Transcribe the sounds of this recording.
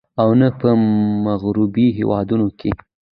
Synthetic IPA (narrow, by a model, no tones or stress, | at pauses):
awnapəmaɣɾubiɦḛwɑ̰d̪unokʰe